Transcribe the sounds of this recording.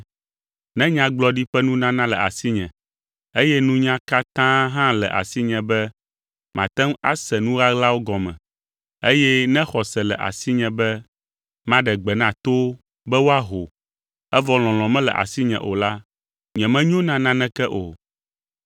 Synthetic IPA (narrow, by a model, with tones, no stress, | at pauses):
nɛ̃˦ɲã˨ɡ͡blɔ˦ɖi˦ɸɛ˦nũ˦nã˦nã˦lɛ̰˨ʔa̰˨si˦ɲɛ̰̃˨ | e˦jɛ˦nũ˦ɲã˦ka˦t̪ã˦ɦã˦lɛ̰˨ʔa̰˨si˦ɲɛ̃˨bɛ˦ | mã̰˨t̪ɛ̃˦ŋa̰˦sɛ˨nũ˦ɣa˦ɣla˦wo˦ɡɔ˨mɛ̰̃˨ | e˦jɛ˦nɛ̃˦xɔ˨sɛ˨lɛ˨ʔa̰˨si˦ɲɛ̃˨bɛ˦ | mã˦ɖɛ˨ɡ͡bɛ˨nã˨t̪o˦ | bɛ˦wo˦a˦ɦo˨ | ɛ˦vɔ˨l̃ɔ̃˨l̃ɔ̃˨mɛ̃˦lɛ̰˨ʔa̰˨si˦ɲɛ̰̃˨ʔo˨la˦ | ɲɛ̃˨mɛ̃˦ɲ˦õ˦nã˦nã˦nɛ̃˦kɛ˦ʔo˨